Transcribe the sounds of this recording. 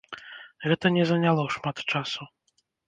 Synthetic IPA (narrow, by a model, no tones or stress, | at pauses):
ɣɛt̪ɐnʲɛzɐnʲalˠɔʂmat̪t͡ʂasu